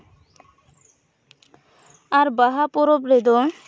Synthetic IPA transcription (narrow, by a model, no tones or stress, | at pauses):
aɾbaɦapɔɾobɾed̪ɔ